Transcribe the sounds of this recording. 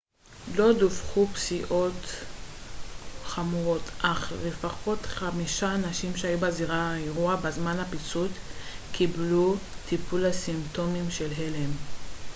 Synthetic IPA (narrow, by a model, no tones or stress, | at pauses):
lo̞dufχupsiʔo̞t | χamuʁo̞tʰʔaχlefaχo̞tχamiʃaːnaʃimʃeajubaziʁaaeʁuabazmanhapit͡sutkʰiblutipulhasimto̞mimʃe̞lɦelem